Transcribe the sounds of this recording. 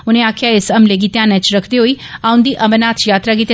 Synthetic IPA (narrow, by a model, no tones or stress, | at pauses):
ʊnẽaːkʰjaɪsɐmleɡiːt̪jãnɛ̃t͡ʃɾəkʰd̪eɦoiãʊ̃nd̪iːʔɐmənaːt̪ʰjaːt̪ɾaɡiːt̪